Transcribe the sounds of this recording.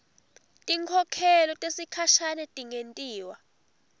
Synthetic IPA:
tʼiŋkʰɔkʰɛlɔtʼesikʰaʃanɛtʼiŋentʼiːwa

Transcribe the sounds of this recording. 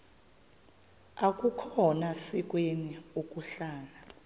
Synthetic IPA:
akʼukʰɔnasik̬ʼweniokʼuɬaːna

